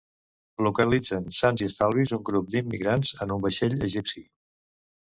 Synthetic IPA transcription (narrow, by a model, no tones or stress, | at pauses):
lukəlid͡zənsanziəst̪alˠβizuŋɡɾup̚d̪imːiɣɾanzənumbəʃeʎəʒipsi